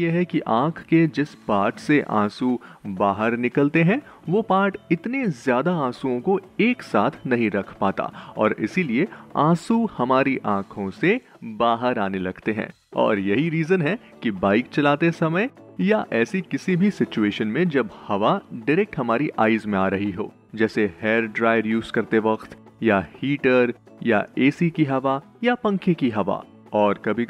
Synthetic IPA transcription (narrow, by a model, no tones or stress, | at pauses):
jeɦɛkiʔãːkʰked͡ʒɪspaːɾʈseʔã̰ːsubaːɦəɾnɪkəlt̪eɦɛ̃ | ʋopaːɾʈɪt̪nezjaːd̪aãːsuõkoeːksaːt̪ʰnɐɦĩɾɐkʰpaːt̪a̰ɔ̰ːɾɪ̰silieã̰ːsuhɐmaːɾiʔãːkʰõse | baːɦəɾaːnelɐɡt̪eɦɛ̰̃ː | ɔ̰ːɾjɐɦiɾiːzənɦɛ | kibaːɪk̚t͡ʃɐlaːt̪esɐməjjaʔɛːsikɪsibʱisɪt͡ʃueːʃənmẽd͡ʒɐbhɐʋaɖɪɾɛk̚ʈɦɐmaːɾiʔaːɪzmẽaːɾɐɦiɦo̰ː | d͡ʒɛːseheːɾɖɾaːɪʋəɾjuːzkɐɾt̪eʋɐqt̪ | jahiːʈəɾ | ja̰eːsikiɦɐʋa | japɐ̃ŋkʰekiɦɐʋa̰ | ɔːɾkɐbʱi